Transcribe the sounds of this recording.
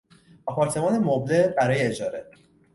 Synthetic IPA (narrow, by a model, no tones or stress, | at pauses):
ɒːpʰɒːɾt̪ʰe̞mɒːnemoblebæɾɒːjeːd͡ʒɒːɾe̞